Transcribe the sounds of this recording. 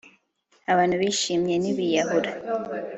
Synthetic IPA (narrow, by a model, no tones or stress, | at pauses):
aβaːn̥huβiːʃiːmɲeniβijaɦuɾa